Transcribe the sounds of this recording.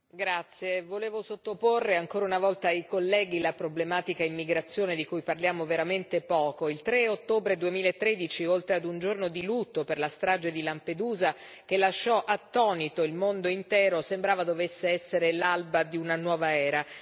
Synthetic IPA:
ɡɾat̪sːjevoleːvosot̪ːoporːeaŋkoːɾaunavɔlt̪aːjkolːɛːɡilapɾoblemaːt̪ikaimːiɡɾat̪sːjoːned̪ikujparljaːmoveɾament̪epɔːkoilt̪ɾeot̪ːoːbɾed̪uemiːlaet̪ːɾed̪it͡ʃiolt̪ɾead̪und͡ʒornod̪ilut̪ːoperlast̪ɾad͡ʒed̪ilamped̪uːza | k̟elːaʃːɔʔat̪ːɔːnit̪oilmond̪oint̪ɛːɾosembɾaːvad̪ovesːeɛsːeɾelalbad̪iunanwɔːvaɛːɾa

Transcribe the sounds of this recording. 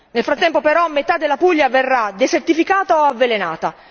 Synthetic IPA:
nelfɾat̪ːɛmpopeɾɔmːet̪ad̪ːelːapuʎːaverːad̪esert̪ifikaːt̪aoavːelenaːt̪a

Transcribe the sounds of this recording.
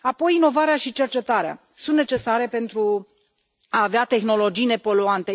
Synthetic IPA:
apo̞jino̞vaɾeaʃit͡ʃe̞rt͡ʃe̞t̪aɾea̰ | sunt̪ne̞t͡ʃe̞saɾe̞pe̞nt̪ɾu | aːveat̪e̞xno̞lo̞d͡ʒijne̞po̞luant̪e

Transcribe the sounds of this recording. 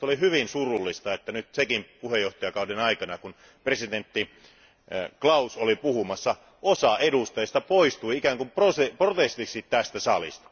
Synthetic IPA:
olihyʋinsurulːist̪ɑet̪ːænyt̪sekimpuhejoht̪ɑjɑkɑudenɑikɑnɑkun | presit̪ent̪ːi | klɑusolipuhumɑsːɑ | osɑʔedust̪ɑjest̪ɑpoist̪uiikæŋkumproseprot̪est̪ikssit̪tæst̪æsɑlḭst̪ɑ̥

